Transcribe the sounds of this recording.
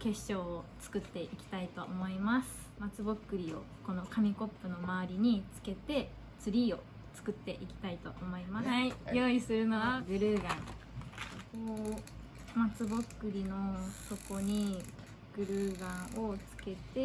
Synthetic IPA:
ke̞ɕɕo̞ːt͡sɨ̥kɯ̟t̪ːe̞ʔikʲi̥t̪ait̪o̞ʔomo̞imasɨ̥ | mat͡sɨbokːɯ̟ɾʲio̞̰ko̞no̞kamʲiko̞pːɯ̟no̞maβaɾʲiɲ̟it͡sɨ̥ke̞t̪e̞ | t͡sɨɾʲiːo̞ | t͡sɨ̥kɯ̟t̪ːe̞ʔikʲi̥t̪ait̪o̞ʔomo̞imaaijo̞ːisɨɾɯ̟no̞βaɡɯ̟ɾɯːɡãŋsokoː | mat͡sɨbokːɯ̟ɾʲino̞so̞ko̞ɲ̟i | ɡ̥ɯ̟ɾɯ̟ːɡãɰ̃o̞t͡sɨ̥ke̞t̪e̞

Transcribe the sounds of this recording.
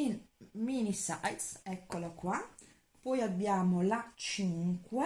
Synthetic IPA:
inminisajt̪sɛkːolakːwa | pɔjabːjaːmolat͡ʃiŋkwe

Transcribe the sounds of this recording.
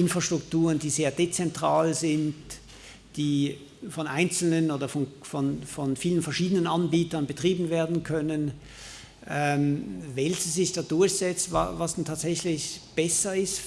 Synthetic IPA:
ʔɪnfʁ̥aʃtʁ̥ʊktuːʁəndiːzeːɐdet͡sɛntʁ̥aːlzɪnt | d̥iː | fɔnʔaɪnt͡sl̩nənoːdɐfɔnfɔnfɔnfiːlənfɛɐʃiːdənənʔanbiːtɐnbətʁ̥iːbn̩veːɐdn̩kʰœnən | ʔɛmvɛlçəzɪçd̥aːd̥ʊɐçz̥ɛt͡stva̰vasd̥ntʰaːtz̥ɛçlɪçb̥ɛsɐɪst

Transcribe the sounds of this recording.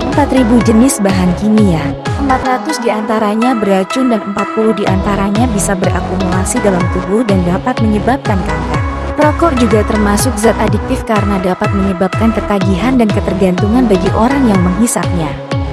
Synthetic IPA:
ʔəmpat̪ɾibud͡ʒənɪsbaɦankiniaʔəmpat̪rat̪ʊsdiant̪aɾaɲabəɾat͡ʃʊndanəmpat̪̚pulʊhdiʔant̪aɾaɲabisabəra̰kumulasidalamt̪ubʊhdandapat̪̚məɲəbap̚kankaŋkat̪̚ | pɾɔkɔrd͡ʒuɡat̪ərmasʊk̚zat̪adik̚t̪ɪfkaɾənadapat̪̚məɲəbap̚kankət̪aɡiɦandankət̪ərɡant̪uŋanbaɡiʔoɾaŋjaŋməŋɦisap̚ɲa

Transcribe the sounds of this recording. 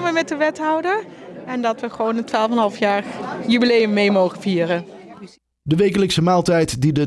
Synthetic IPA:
mʋəmɛt̚dəʋɛtɦɑwdəɹɛndɑtʋəχʋownətʋaːlˠfɛnɦɑlˠfjaːjybilejəmːejmowχənviːrə | dəʋejk̬ələksəmaːlˠtɛjtdidə

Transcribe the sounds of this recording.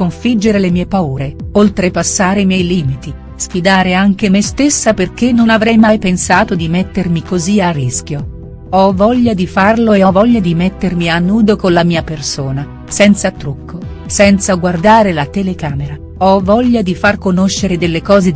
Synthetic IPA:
koɱfid͡ʒːeɾelemiːepauːɾeolt̪ɾepasːaːɾeimjɛjliːmit̪i | sfid̪aːɾeaŋk̟emest̪esːaperk̟enːonavɾɛjmajpensaːt̪od̪imet̪ːermikoziarːisk̟jo | ɔvɔʎːad̪ifarloeɔvɔʎːad̪imet̪ːermianːuːd̪okonlamiːapersoːna | sɛnt̪sat̪ɾukʰːo | sɛnt̪saɡward̪aːɾelat̪elekaːmeɾa | ɔvɔʎːad̪ifarkonoʃːeɾed̪elːekɔːze

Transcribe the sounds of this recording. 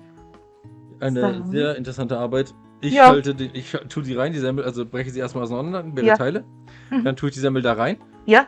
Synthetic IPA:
ʔaɪnəzeːɐɪntəʁɛsantəʔaɐbaɪt | ʔɪçhaltədeːʔɪçtʰuːəziːʁaɪndiːzɛmpl̩ʔalzob̥ʁɛçəziːeːɐstmalaʊsnɔnɐnlan̩meːʁətʰaɪlə | d̥antʰuːɪçd̥iːzɛmpl̩daːʁaɪn | ja

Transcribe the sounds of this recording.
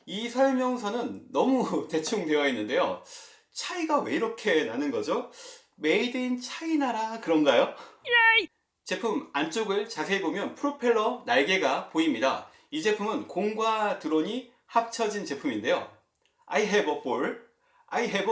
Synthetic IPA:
isʰʌɭmjʌŋsʰʌnɯnːʌmute̞t͡ɕʰuŋde̞ʌinːɯnde̞jo | t͡ɕʰaiɡawe̞iɾʌkʰe̞nanɯnɡʌd͡ʑo | me̞ideint͡ɕʰainaɾakɯɾʌmɡajo | t͡ɕe̞pʰumant͡ɕ͈oɡɯɭt͡ɕasʰe̞bomjʌnpʰɯɾopʰe̞ɭːʌnaɭɡe̞ɡapoimɲida̰ | id͡ʑe̞pʰumɯnkoŋɡwatɯɾoɲi | hap̚t͡ɕʰʌd͡ʑint͡ɕe̞pʰuminde̞jo̰ | aiɦebʌp͈oɭ | aiɦeb

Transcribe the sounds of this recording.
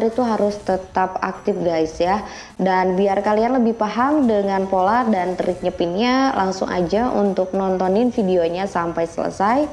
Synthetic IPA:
ɾit̪uɦaɾʊst̪ət̪apak̚t̪ɪfɡaɪsja | danbiarkalianləbɪhpaɦamdəŋanpolardantəɾɪk̚ɲəpinɲalʔaŋsʊ̰ŋʔa̰d͡ʒaʔṵnt̪ʊk̚nɔnt̪ɔnɪnfidioɲasampajsə̰lə̰saj

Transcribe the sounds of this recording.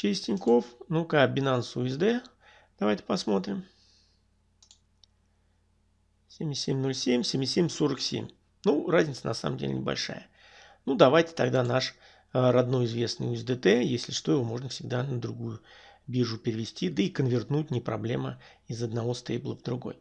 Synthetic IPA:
t͡ɕesʲtʲɪnʲko̞fnukabʲɪnansʊɪzd̪ɛ | d̪̥ɐvajtʲɪ̥pɐsmo̞t̪ɾʲɪm | sʲemʲɪsʲemʲno̞lʲsʲemʲsʲemʲɪsʲemʲso̞ɾəksʲḛmʲ | nurazʲnʲɪt̪sənɐsa̰mə̰mdʲḛlʲɪ̰nʲɪbɐ̰lʲʂa̰jə | nud̪ɐvajtʲɪ̥t̪ɐɡd̪anaʂ | ɾɐd̪no̞jɪzvʲe̞snɨ̰jʊzd̪ət̪ɛjesʲlʲɪʂt̪o̞jɪvo̞mo̞ʐnəfsʲɪɡ̚d̪anəd̪ɾʊɡujʊbʲiʐʊpʲɪɾʲɪvʲɪsʲtʲid̪əikənvʲɪrt̪nut̚ʲnʲɪpɾɐ̰blʲemə̰ | ɪzəd̪nɐvo̞st̪ejblˠəvd̪ɾʊɡo̞̰j

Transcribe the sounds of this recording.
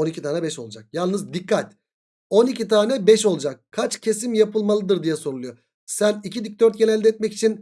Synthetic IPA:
onicʰit̪ʰaːnɛbɛʃo̞lˠad͡ʒak̚jalˠnɯzd̪ikːat̪ | o̞nicit̪ʰaːnɛbɛʃo̞lˠud͡ʒak̚kʰat͡ʃcʰe̞s̬imjapɯlˠmalˠɯd̪ɯɾd̪ijɛso̞ɾulˠujo | sænicid̪ic̚d̪øɾt̪jenælʲd̪ɛt̪̚mɛci̥t͡ʃʰin

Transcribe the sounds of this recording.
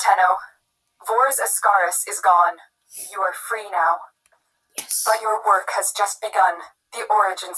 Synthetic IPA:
tʰɛnoʊ | vɔɹzɨ̥skɑɹɨsɨzɡɔ̃n | jɨə˞fɹinaʊ | b̥ʌtə˞wɜ˞khɨzd͡ʒʌst̚b̥ɨɡʌ̃n | ðiʔɔɹɨd͡ʒɨ̃n

